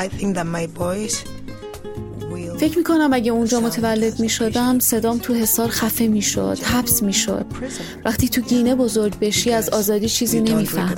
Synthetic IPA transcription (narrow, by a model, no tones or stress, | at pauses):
aɪθɪ̃ŋk̚ðət̚maɪbɔɪz | wife̞cʰmiːkʰo̞næmæɟeund͡ʒɒːmo̞t̪ʰevælːe̞d̪miːʃo̞d̪æmse̞d̪ɒːmt̪ʰuɦe̞sɒːɾxæfemiːʃo̰d̪̥hæbsmiːʃo̰d̪̥ | væxt̪ʰiːt̪ʰuɟiːne̞bo̞zo̞ɾɟbe̞ʃiːæzɒːzɒːd̪iːt͡ʃʰiːziːne̞miːfæhm